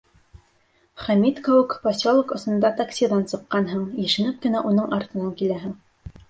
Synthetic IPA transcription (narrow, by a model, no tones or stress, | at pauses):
χæmʲit̪kowɘkposʲolˠokŏsɤ̆nd̪ɑt̪aksʲiðɑnsɤ̆qːɑnɦɤɴjɘ̆ʃɘ̆nɘk̚kɘ̆næʔunɤɴʔɑɾt̪ɤ̆nɑŋkilæɦɘŋ